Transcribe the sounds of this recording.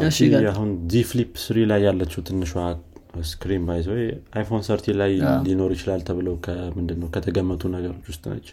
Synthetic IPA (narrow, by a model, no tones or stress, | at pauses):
ʃiaɦunziflipːsɨɾilajːalːət͡ʃːɛwt̪ʰɨnːɨʃwaskɾimbajswɔjʔajfo̞nsəɾt̪ʰilajlino̞ɾjit͡ʃɪlalt̪ʰəβɨləwkʰəmɨnd̪ɨnːəwkʰət̪ʰəɡəmːət̪ʰunəɡəɾo̞t͡ʃːwʊst̪ʼnə̰t͡ʃː